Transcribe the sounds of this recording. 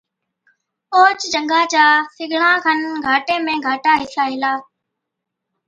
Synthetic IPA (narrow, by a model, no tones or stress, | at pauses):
oːt͡ʃd͡ʒə̃ŋɡaːt͡ɕaːsɪɡʱɽãːkʰənɡʱaːʈẽːmẽːɡʱaːʈaːɦɪsaːɦɪlaː